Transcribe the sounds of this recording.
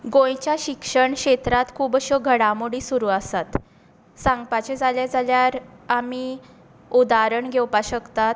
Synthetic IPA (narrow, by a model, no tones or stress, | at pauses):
ɡõjt͡ɕjaɕikʂəɳɕet̪ɾat̪kʰuːbəɕɔɡʱəɽamuɽiːsuɾuːasat̪ | sãŋɡpat͡ɕed͡zaljad͡zaljaɾami | ud̪aɾəɳɡʱewpaɕəkt̪at̪